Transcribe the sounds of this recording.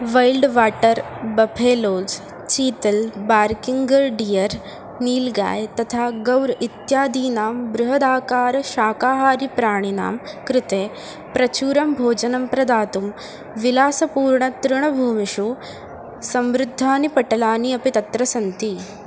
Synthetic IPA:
ʋɐjlɖʋaːʈɐɾ | bɐpʰeːloːd͡ʒ | t͡ʃiːt̪ɐlbaːɾkiŋɡɐɾɖijɐɾ | niːlɡa̰ːjt̪ɐt̪ʰaːɡɐwɾit̪jaːd̪iːnaːmbɾʊɦɐd̪aːkaːɾɐʃaːkaːɦaːɾipɾaːɳ̃ina̰ːmkɾɪt̪eː | pɾɐt͡ʃuːɾɐmbʱoːd͡ʒɐnɐmpɾɐd̪aːt̪um | ʋilaːsɐpuːɾɳɐt̪ɾʊɳɐbʱuːmiʃu | sɐmʋɾʊd̪ʱːaːnipɐʈɐlaːniɐpit̪ɐt̪ɾɐsɐnt̪i

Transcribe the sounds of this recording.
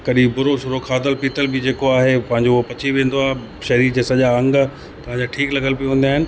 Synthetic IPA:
kɐɗĩbʊɾoʃʊɾokʰaːd̪əlpiːt̪əlbɪd͡ʑeːkoaːɦepɐ̃ɦɪ̃ɲd͡ʑoopɐt͡ɕʰiʋẽːn̆d̪oaːɦe | ʃɐɦɾiɾd͡ʑeːsɐʄaɐ̃ŋɡ | t̪ɐʋãd͡ʑaːʈʰiːklɐɡəlpiũʋẽːnd̪aːɦɪnɪ̆

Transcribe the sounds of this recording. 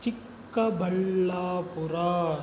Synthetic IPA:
t͡ʃɪkːɐbʱɐɭːaːpuɾaː

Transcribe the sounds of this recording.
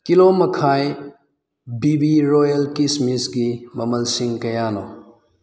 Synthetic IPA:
kilomɐkʰaj | bibiɾojɐlkismisɡimɐmɐlsiŋkɐjano

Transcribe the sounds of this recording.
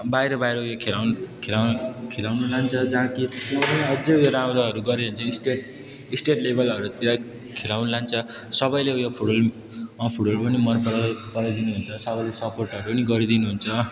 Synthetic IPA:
bajɾʌbajɾʌujakʰelawnkʰelawkʰelawnulant͡sʰʌd͡zaɦãkiʌpʌniʌd͡zʌjoɾamɾʌɦʌɾuɡʌɾeɦunt͡sʰʌisʈeʈ | isʈeʈlebʌlʌɾut̪iɾa | kʰelawnulant͡sʰʌsʌbʌjleojopʰuɽʌl | ʌpʰuɽʌlpʌnimʌnpʌɾapʌɾajd̪inuɦunt͡sʰʌsʌbʌjlesʌporʈɦʌɾupʌniɡʌɾid̪inuɦunt͡sʰʌ

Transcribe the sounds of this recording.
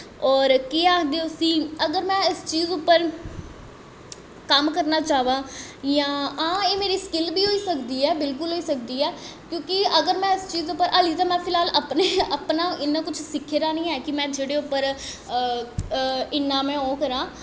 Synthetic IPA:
ɔːɾkiːaːkʰd̪eːʊsĩːəɡəɾmɛ̃ːɪst͡ʃiːzʊpːəɾ | kəmkəɾnaːt͡ʃaːʋãːjãːãːeːmeːɾiːskɪlbiːɦoːiːsəkd̪iːɛːbɪlkʊlɦoːiːsək̚d̪iːɛː | kjõːkɪəɡəɾmɛ̃ːɪst͡ʃiːzʊpːəɾʔaːliːt̪ãːmɛ̃ːpʰɪlaːləpneːəpnãːɪnːãːkʊt͡ʃʰsɪkʰːeːɾaːnĩːɛːkɪmɛ̃ːd͡ʒeːɽeːʊpːəɾ | ɪnːãːmɛ̃ːoːkəɾãː

